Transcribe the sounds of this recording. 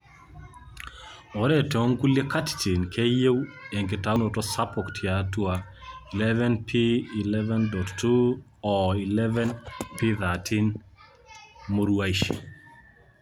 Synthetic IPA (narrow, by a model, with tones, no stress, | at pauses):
ɔ˨ɾɛ˦tɛ˨o˦ŋɡu˦le˦ka˦tt͡ʃe˨nkʰɛ˦je˦we˨ŋɡɪ˨ta˦notɔsa˦pɔ˨ktʰiatuailɛvɛnpʰiː˨lɛvɛndɔ˨ttːu | ɔ˨i˨lɛvɛnpiða˨tʰi˦n | moɾuwaiʃ